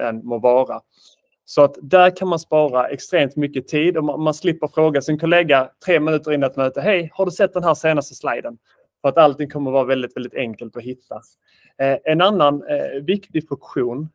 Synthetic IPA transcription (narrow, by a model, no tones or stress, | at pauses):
ɛnmovɑːɾa | sɔat̪d̪æɾkʰanmanspɑːɾaʔɛkst̪ɾeːmt̪mʏkːət̪ʰiːd̪ɔmmanslɪpːəɾfɾoːɡasɪnkʰʊleːɡat̪ʰɾeːmɪnʉ̟ːt̪əɾɪnːat̪mœːt̪əɦɛjhaɖɵsɛt̪̚d̪ɛnɦæːɾseːnast̪əsla̰jd̪ən | fœɾat̪alt̪ɪŋkʰɔmːəɾvɑːɾavɛld̪ɪt̪vɛld̪ɪt̪ɛŋkəlt̪ɔɦɪt̪ʰːa | ʔɛnanːanvɪkt̪ɪɡfɵkɧuːn